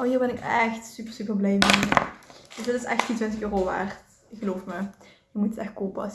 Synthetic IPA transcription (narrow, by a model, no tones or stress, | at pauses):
ʔoːɦiːɹbɛnɪkɛxtsypərsypərblɛjme | d̥əsdɑtɪsɛ̰xtintʋɪntəxøːroːʋa̰ːrt | ɪkxəloːfmə | jəmutətɛxt̚koːpəɑs